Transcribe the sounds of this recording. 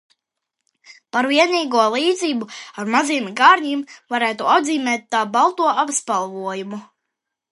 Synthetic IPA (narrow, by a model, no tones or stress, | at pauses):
paɾviɛniːɡuɔlˠiːd̪ziːbuaɾmaziɛmɡaːɾɲimvaɾæːt̪uad̪ziːmɛːt̪ːaːbalˠt̪uɔapspalˠvuɔjumu